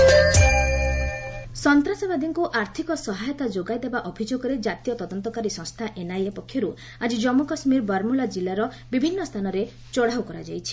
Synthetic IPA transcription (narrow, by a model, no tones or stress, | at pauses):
sɔnt̪ɾasɔbad̪iŋkuʔaɾt̪ʰikɔsɔɦajɔt̪ad͡ʒoɡajd̪ebaʔɔbʱid͡ʒoɡɔɾed͡ʒat̪ijɔt̪ɔd̪ɔnt̪ɔkaɾisɔ̃ŋst̪ʰaʔenajepɔkʰːjɔɾu | ad͡ʒid͡ʒɔmokɔsmiɾbaɾmulad͡ʒilaɾɔ | bibʱinːɔst̪ʰanɔɾe | t͡ʃɔɽ̤awkɔɾa̰d͡ʒajt͡ʃʰi̥